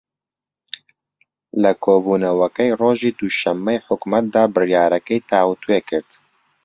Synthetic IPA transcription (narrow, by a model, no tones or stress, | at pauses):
lɨkʰoːbuːnɐwɛkɛjroːʒiːd̪uʃɛmːɛjħʊkmɛt̪̚d̪ɑːbɨrjɑːɾɛkɛjt̪ʰɑːwut̪wekɨɾt̪